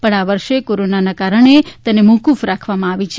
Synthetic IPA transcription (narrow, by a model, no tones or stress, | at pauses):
pəɳaʋəɾʃekoɾonanakaɾəɳ̃et̪ənemukufɾakʰʋamãaʋit͡ʃʰe